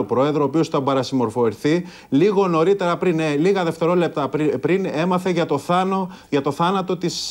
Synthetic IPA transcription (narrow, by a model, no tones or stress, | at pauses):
opɾo̞e̞ðɾoːpio̞st̪ɐbɐɾɐsimo̞ɾfo̞ɾiθi | liɣo̞no̞ɾit̪e̞ɾɐpɾineliɣɐðe̞ft̪e̞ɾo̞le̞p̚t̪ɐpɾine̞mɐθe̞ʝɐt̪oθ | ʝɐt̪o̞θɐnɐt̪o̞t̪is